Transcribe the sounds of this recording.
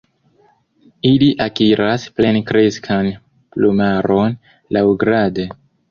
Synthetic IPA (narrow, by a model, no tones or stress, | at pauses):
iliʔakiɾasple̞nkɾe̞skʰan | plumaɾo̞n | lawɡɾade